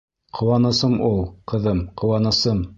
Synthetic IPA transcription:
qʰŏwɑnɤ̆sɤmulˠqɤ̆ðɤmqʰŏwɑnɤ̆sɤm

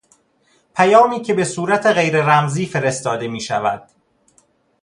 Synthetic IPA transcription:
pʰæjɒːmiːcʰe̞be̞suːɾæt̪ʰeɣe̞jɾe̞ɾæmziːfe̞ɾe̞st̪ɒːd̪e̞miːʃæ̰væ̰d̪̥

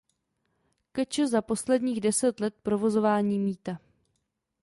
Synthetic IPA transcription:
kɛt͡ʃəzapo̞slɛdɲiːɣdɛsɛt̪lɛt̪̚pɾo̞vo̞zo̞vaːɲiːmiːt̪a

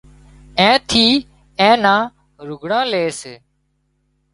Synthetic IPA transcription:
ẽːt̪ʰiː | ẽːnãː | ɾʊɡʱɽãːleːseː

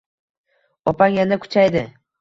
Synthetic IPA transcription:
ɒpʰaŋjanakʰʊ̥t͡ʃʰajd̪ɪ

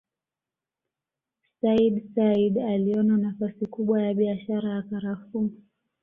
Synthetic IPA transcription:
saiɗsaiɗaliɔnanafasikuɓwajaɓiaʃaɾajakaɾafu

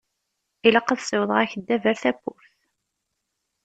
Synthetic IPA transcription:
iləqːəðsəwðˤʁæçəd̪ːævæɾθæpːʊɾθ

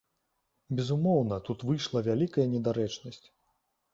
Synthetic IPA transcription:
bʲɛzumɔwnɐt̪ut̪vɨjʂlˠɐvʲalʲikɐjɐnʲɛd̪aɾɛt͡ʂnɐsʲt͡sʲ

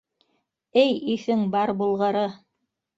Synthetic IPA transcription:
ɘjiθɘŋbɑɾbulˠʁɤ̆ɾɤ

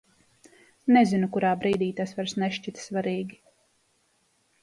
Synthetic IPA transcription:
nɛzinukuɾaːbɾiːd̪iːt̪asvaɾsnɛʃt͡ʃit̪svaɾiːɡʲi

